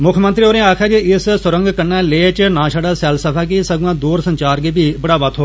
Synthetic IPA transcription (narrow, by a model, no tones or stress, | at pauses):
mʊkʰmənt̪ɾiːoːɾẽːaːkʰaːd͡ʒiɪssʊɾə̃ŋɡkənːɛːleːt͡ʃnãːʃaːɖaːsɛːlsəpʰaːk̬isəɡãːd̪uːɾsə̃ɲt͡ʃaːɾɡiːbʱiːbəɽaːʋat̪ʰɦoː